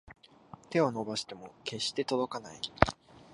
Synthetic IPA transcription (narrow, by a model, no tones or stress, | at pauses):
t̪e̞o̞no̞baɕi̥t̪e̞mo̞ke̞ɕi̥t̪e̞t̪o̞d̪o̞kanai